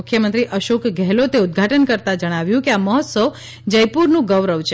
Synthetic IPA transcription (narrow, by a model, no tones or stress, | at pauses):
kʰjəmənt̪ɾiʔəʃokɡʱɛɦlot̪eud̪̚ɡʱaʈənkəɾt̪ad͡ʒəɽ̃aʋjũkeaməɦət̪səʋ | d͡ʒəjpuɾnũɡəʋɾəʋt͡ʃ